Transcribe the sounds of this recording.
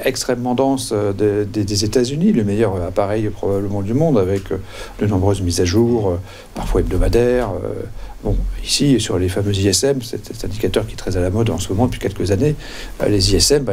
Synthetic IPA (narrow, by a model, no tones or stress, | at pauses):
ɛkst̪χɛmːɑ̃d̪ɑ̃sød̪ed̪ed̪ezet̪azyniləmɛjœʁøapaʁɛjpχɔbabləmɑ̃d̪ymɔ̃d̪avɛkʰø | d̪ənɔ̃bʁøzmizaʒuːʁø | paʁfwaɛb̚d̪ɔmad̪ɛʁø̰bɔ̃isisyʁlefamøziɛsɛmsɛ̰t̪ɛ̃t̪ɛ̃d̪ikat̪œʁkʲiɛ̥t̪χɛzalamɔd̪ɑ̰̃səmɔmɑ̃d̪əpʰɥi̥kʲɛlkəzanḛ | leziɛsɛmb